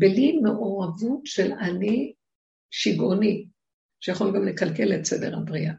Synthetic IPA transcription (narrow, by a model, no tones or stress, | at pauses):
belimeʔo̞ʁavutʃelani | ʃiɡoni | ʃejaχolɡamlekalkeletsedeʁabʁia